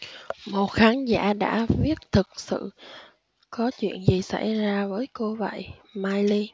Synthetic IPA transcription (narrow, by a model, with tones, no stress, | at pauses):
mo˨˩t̚xaː˨˦nza̰ː˧˥˨ɗa̰ː˧˥vi˦˥ət̚t̪ʰɨ˨˩k̚sɨ̰˧˨ | kɔ˨˦t͡ɕwḭ˧˨ənzi˨˩sa̰˧˩jzaː˧vəː˨˦jko˧və̰˧˨jmaː˧jli˧